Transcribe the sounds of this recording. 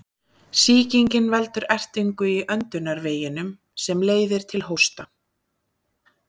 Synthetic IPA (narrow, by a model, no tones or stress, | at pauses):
siːciŋcɪnvɛlt̪ʏɾɛr̥t̪iŋkʏiʔœnt̪ʏnaɾveːjɪnʏm | sɛmleːjðɪɾ̥t̪ʰɪlɦowst̪a